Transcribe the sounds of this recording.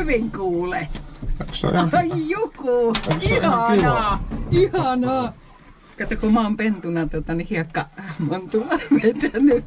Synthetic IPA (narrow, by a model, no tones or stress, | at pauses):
ʋiŋkuːleksjjukuihɑnɑːihɑnɑː | kɑt̪ːɑkumɑompent̪unɑt̪uot̪ɑnihiɑkːɑmont̪ulɑʋet̪æny